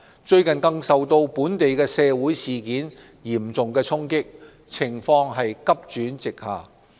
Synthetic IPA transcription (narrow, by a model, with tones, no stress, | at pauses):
t͡ʃɵ˧ɥkɐ˨˩nkɐ˧ŋsɐ˨wt̪o˧wpuː˨˥nt̪e˨jkɛː˧sɛː˧wuː˨˥jsiː˨kiː˨˥n | jiː˨˩mt͡sʊ˨ŋkɛː˧t͡sʰʊ˥ŋkɪ˥k̚ | t͡sʰɪ˨˩ŋfɔː˧ŋɦɐ˨jkɐ˥p̚t͡ʃyː˨˥nt͡sɪ˨k̚haː˨˩